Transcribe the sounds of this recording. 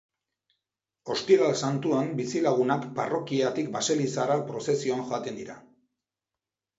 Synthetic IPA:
o̞st̪iɣalsant̪uambisilaɣ̞unakparo̞kiat̪ik̚baselisaɾapɾo̞se̞sioaŋʝoat̪e̞nd̪iɾa

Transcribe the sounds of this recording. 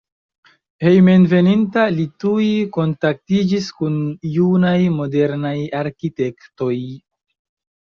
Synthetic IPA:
he̞jmenve̞nintalitujiko̞ntak̚tid͡ʒiskunjunajmo̞de̞ɾnajaɾkite̞kto̞j

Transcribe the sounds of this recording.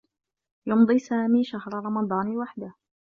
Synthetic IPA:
jʊmd̪ˤiːsaːmiːʃahɾˤɾˤɑmɑd̪ˤɑːnwaħd̪ah

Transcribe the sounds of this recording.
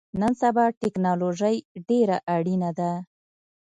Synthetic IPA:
nənsabɑʈɪknɑloʒəjɖeɾaʔaɽinad̪a

